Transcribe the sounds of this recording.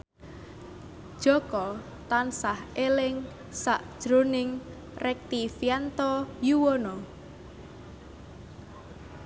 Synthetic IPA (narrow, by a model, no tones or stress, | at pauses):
d̥ʒ̥ɔ̤kɔ | t̪ansahelɪŋ | saʔd̥ʒ̥ɾo̤nɪŋ | rɛk̚t̪ifjant̪ɔjuwonɔ